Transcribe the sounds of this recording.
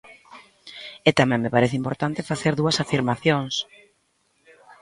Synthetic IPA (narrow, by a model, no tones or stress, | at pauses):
ɛt̪amɛ̃ŋmepaɾɛθɪimpoɾt̪ant̪ɪfaθeɾðuɐsafiɾmaθjoŋs